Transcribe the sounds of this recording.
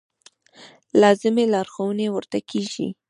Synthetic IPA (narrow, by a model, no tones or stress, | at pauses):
lɑzɪmelɑɾxowənewəɾt̪akʰeʒḭ